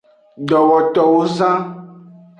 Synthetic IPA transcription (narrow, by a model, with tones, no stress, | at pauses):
ɖɔ˨wɔ˨tɔ˨wo˦zã˦